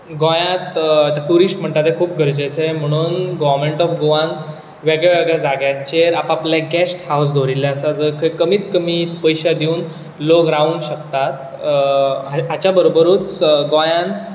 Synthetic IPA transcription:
ɡõjãt̪at̪aʈuɾisʈm̤əɳt̪at̪ɦekʰuːp̚ɡʱəɾd͡ʑet͡sem̤əɽ̃uːnɡɔʋəɾmeɳʈɔfɡoʋãn | ʋeɡɭeʋeɡɭɛd͡zaɡjat͡ɕeɾapaplaɡæsʈhaws̬d̪ʱoɾilːaəsad͡zəkʰəkəmiːt̪kəmiːt̪pəjɕad̪iuːn | lokɾauːnɕəkt̪at̪ | aɦat͡ɕjabəɾobəɾuːt͡sɡɔ̃jãn

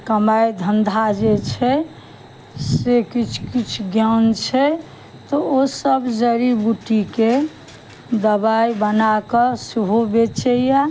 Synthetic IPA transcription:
kəmajd̪ʱənd̪ʱad͡ʒet͡ʃʰɛ | sekit͡ʃʰkit͡ʃʰɡjant͡ʃʰɛ | t̪ɔosəbd͡ʒəɾibuʈike | d̪əbajbənakəsuɦubet͡ʃəja

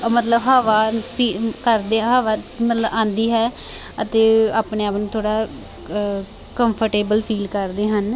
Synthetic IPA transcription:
mət̪ləbɦaːʋaːpʰiːkəɾd̪eːɦaːʋaːmət̪ləbãːnd̪iːɦɛː | ət̪eːaːpneːaːpnũːt̪ʰoːɽaː | kəmpʰəɾʈeːbəlpʰiːlkəɾd̪eːɦən

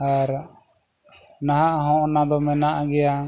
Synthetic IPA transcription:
aɾ | naɦaʔɦɔ̃ʔnad̪ɔmɛnaʔɡɛja

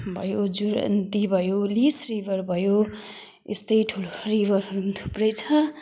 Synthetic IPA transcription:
bʱʌjod͡zuɾʌ̰nt̪ibʱʌjolisribʱʌɾbʱʌjo | ḛst̪ʌjʈʰuloribʱʌɾɦʌɾunt̪ʰu̥prʌjt͡sʰʌ

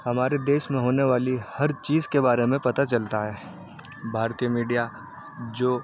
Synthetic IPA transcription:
hɐmaːɾed̪eːʃmẽɦoːneʋaːlihɐɾt͡ʃiːzkebaːɾemẽpɐt̪at͡ʃɐlt̪aɦɛː | bʱaːɾt̪ijəmiːɖija | d͡ʒoː

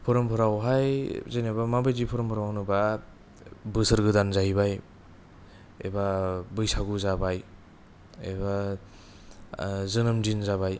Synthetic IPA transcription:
pʰɔɾɔmpʰɯɾawɦajzejnabamabɯjdipʰɔɾɔmpʰɯɾawnɯba | bɯsɯɾɡɯdanzaɦibaj | ḛbabɯjsaɡuzabaj | ḛba | zɯnɯmdinzabaj

